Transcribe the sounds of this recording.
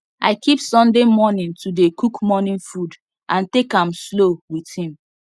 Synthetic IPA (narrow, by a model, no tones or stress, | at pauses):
aɪkʰipsɔ̃ndemɔnĩntudekukmɔnĩnfud | ʔãntekãmslowiθhĩm